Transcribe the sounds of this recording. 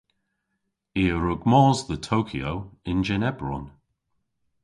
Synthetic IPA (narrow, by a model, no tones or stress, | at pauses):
iːəɹʊɡmɔːzðətʰowkʰiowɪnd͡ʒɛnɛbɹɔ̰n